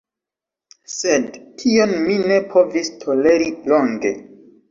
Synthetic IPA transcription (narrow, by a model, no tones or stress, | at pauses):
se̞dtʰio̞nmine̞pʰo̞vistʰo̞le̞ɾilo̞ŋɡe̞̰